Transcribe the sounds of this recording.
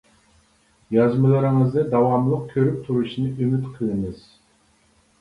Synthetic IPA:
jɑzmɨlˠɨɾɨŋɨzd̪ɛd̪ɑwɑmlˠəq̚kʲʰøɾyp̚t̪ʰuɾuʃinɨʔymyt̪qʰəlˠɨŋɨz̥

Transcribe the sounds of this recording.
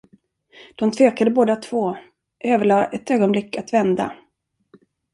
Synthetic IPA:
d̪̥ɔmt̪ʰveːkad̪əboːd̪at̪ʰv̥oː | ʔøːvəɭɑːʔɛt̪øːɡɔnblɪkːat̪vɛnd̪a̰

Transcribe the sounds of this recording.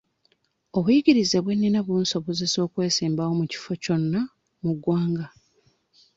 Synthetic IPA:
o̞βujiɡiɾize̞βwe̞nːinaβunso̞βozeso̞ːkwe̞ːsiːmbawo̞muci̥fo̞co̞nːa | muɡwaːŋɡa

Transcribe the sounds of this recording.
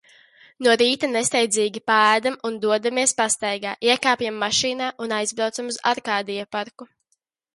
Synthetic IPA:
nuɔɾiːt̪anest̪ɛjd̪ziːɡʲipaæːd̪amund̪uɔd̪amiɛspast̪ajɡaːʔiɛkaːpʲjamːaʃiːnaːʔunajzbɾawt̪samuza̰ɾkaːd̪ijapaɾku

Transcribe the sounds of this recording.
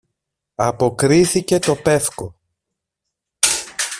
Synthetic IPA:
ɐpo̞kɾiθice̞t̪o̞pe̞fko̞

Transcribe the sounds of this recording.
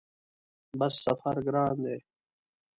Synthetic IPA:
bʌsːɐfəɾɡɾãːnd̪eː

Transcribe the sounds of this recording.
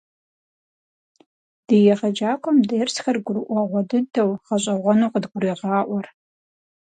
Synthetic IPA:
d̥ɨjɛʁɐd͡ʒaːkʷʰʼɔmdejrsxɐrɡʷʊrɨʔʷɐʁʷɔdɨdɐwʁɐɕʼɐʁʷɔnuːqədɡʷʊɾiːʁɑːʔʷɔr

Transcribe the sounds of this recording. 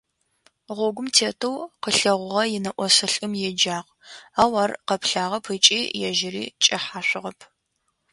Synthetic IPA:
ʁʷɔɡʷʊmtʰeːtʰɨwqəɬɐʁʷʊʁɐjɪnɐʔʷɔsɐɬʼɨmjɛd͡ʒaːʁ | aːwɐrqɐpʰɬaːʁɐpʰɨt͡ʃʼiːjɛʒɪɾḭːt͡ʃʼɐħaːɕʷɪʁɐpʰ

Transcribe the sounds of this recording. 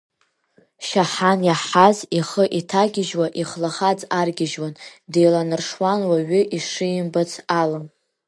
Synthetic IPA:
ʃaħanjaħaziχəʔitʰaɡʲɪʒwaʔiχlaχad͡zarɡʲɪʒwandejlanɨrʂwanwaɥʏʔiʂɨjɪmbat͡sʰalɨm

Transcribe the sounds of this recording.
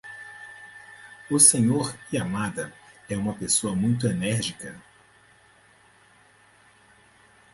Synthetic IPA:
ʊsẽɲoɾɪamad̪ɐɛũmɐpesoɐmũj̃t̪̬ʊenɛɾʒikɐ

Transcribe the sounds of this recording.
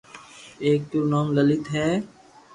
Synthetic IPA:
eːk̚t̪ʊɾnaːmlɐlɪt̪ɦɛː

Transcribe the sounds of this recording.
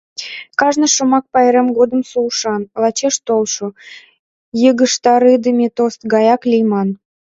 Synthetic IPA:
kɑʒnə̆ʃomɑk̚pɑjɾemɡod̪ə̆msuʃɑnlɑt͡ɕeʃt̪olʃo | jəɣəʃt̪ɑɾɨd̪əmʲet̪ost̪ɡɑjɑklʲijmɑn

